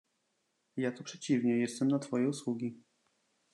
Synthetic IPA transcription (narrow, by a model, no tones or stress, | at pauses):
jat̪ɔpʂɛt͡ɕivɲɛjɛst̪ɛmnat̪fɔjɛuswuɡʲi